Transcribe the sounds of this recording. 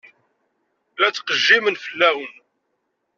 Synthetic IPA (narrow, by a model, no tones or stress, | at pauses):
læt͡sːqəʒːimənfəlːæwən